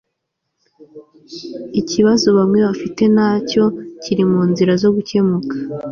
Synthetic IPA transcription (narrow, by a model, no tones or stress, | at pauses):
iciβazo̞βamŋe̞βafite̞naːco̞ciɾimuːnziɾazo̞ɡuce̞mukʰḁ